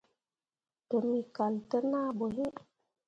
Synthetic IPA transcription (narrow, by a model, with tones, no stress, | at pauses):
to˨mi˨ka˨ltə˦na˦bo˨ɦi˦